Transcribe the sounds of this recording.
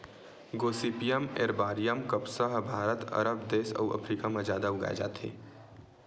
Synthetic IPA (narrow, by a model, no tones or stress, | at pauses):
ɡoːsipijəmeːɾbaːɾijəmkɐpsəɦbʱaːɾət̪ɐ̰ɾəbd̪eːʃɐ̰uʔɐ̰pʰɾiːkamɐd͡ʒaːd̪aʊɡa̰j̰d͡ʒa̰ːt̪ḛː